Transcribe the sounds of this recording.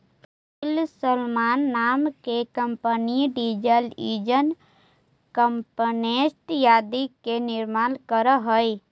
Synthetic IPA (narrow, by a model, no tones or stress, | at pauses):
p | ɪlsəlmaːnːaːmkekəmpəniɖid͡ʒəliːd͡ʒən | kəmpənesʈjaːd̪ikenɪɾmaːnkəɾəɦəi